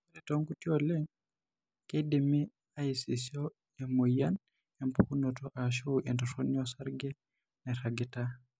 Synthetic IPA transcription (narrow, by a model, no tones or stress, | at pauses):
ɛtɔŋkutiɔlɛ | kedimi | ajsisiɔ | ɛmujan | ɛmpukunɔtɔʔaʃ̬oʔɛntɔsoniɔsaɾɡɛ | nɛɾaɡɛta